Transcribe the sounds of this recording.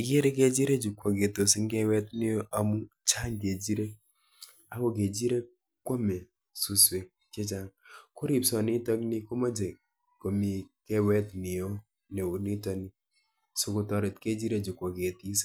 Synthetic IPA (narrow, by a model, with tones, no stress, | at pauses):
ɪ˨ke˦ɾe˦ke˦d͡ʒi˦ɾe˦d͡ʒu˨kʷːɔ˨ke˨to˨si˦ŋɡe˦wɛ˦tnɪ˦jo˦ʔa˨mu˦t͡ʃa˦ŋke˨d͡ʒi˦ɾe˦ | a˦ko˨ke˨d͡ʒi˦ɾe˦ | kːwo˦mɛ˨ | su˦swe˨ | t͡ʃe˦t͡ʃa˦ŋko˦ɾi˨psɔ˨ni˦tɔ˦kni˦ko˦ma˦d͡ʒe˨ | ko˨mi˨kɛ˦wɛ˦tnɪ˨jo˦ | ne˨u˨ni˦tɔ˨˦ni˦ | so˨ko˨tɔ˨ɾɪ˨tke˦d͡ʒi˦ɾe˦d͡ʒu˨kʷɔ˨ke˨ti˦s